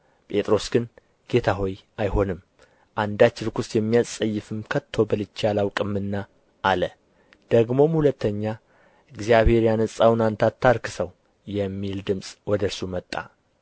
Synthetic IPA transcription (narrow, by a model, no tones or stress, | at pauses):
pʼe̞t̪ʼɾo̞sɡɨn | ɡ̥e̞t̪ʰaɦo̞jajho̞nɨm | ʔand̪at͡ʃːɪɾɨkʰusjɛmːijasʼəjːɨfɨmkʰət̪ʰːo̞bəlɨt͡ʃːalawkʼɨmːɨnːa | ʔːlə | d̪̥əɡmo̞mhulət̪ʰːəɲːa | ɨɡzijaβhe̞ɾjanɨsʼawnant̪ʰat̪ʰːaɾkʰɨ̥səw | jɛmːild̪ɨmsʼwɔd̪əɾsumət̪ʼːa̰